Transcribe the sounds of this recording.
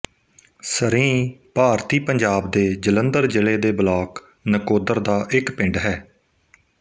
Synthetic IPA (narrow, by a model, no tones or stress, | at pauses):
səɾĩːpaːɾt̪iːpəɲd͡ʒaːb̚d̪eːd͡ʒələnd̪əɾd͡ʒɪleːd̪eːbəlaːk | nəkoːd̪əɾd̪aːʔɪkpɪ̃ɳɖɦɛː